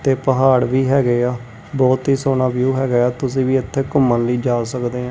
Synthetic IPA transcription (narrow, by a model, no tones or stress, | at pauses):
t̪eːpəɦaːɽʋiːɦɛːɡeaː | bɔːt̪ɦiːsoːnaːbjuːɦɛːɡəaːt̪ʊs̬ĩːʋiːɪt̪ʰːeːkʊmːənləiːd͡ʒaːsəkd̪eːɦã